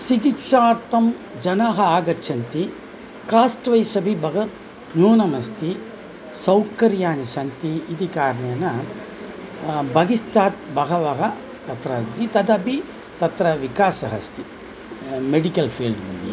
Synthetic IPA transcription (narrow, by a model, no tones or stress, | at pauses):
siɡitʃaːɾt̪ɐmd͡ʒɐnaːɦɐaːɡɐt͡ʃːɐnt̪i | kaːsʈʋɐjsɐbʱibɐɣɐ | njuːnɐmɐst̪i | sɐwkɐɾjaːnisɐnt̪iid̪ikaːɾɐɳɐɐnɐ | bɐɡist̪aːt̪̚bɐɣɐʋɐɣɐ | t̪ɐt̪ɾɐd̪it̪ɐd̪ɐbi | t̪ɐt̪ɾɐʋikaːsɐɦɐst̪i | meɽikɐlpʰeːlɖmɐnd̪ḭ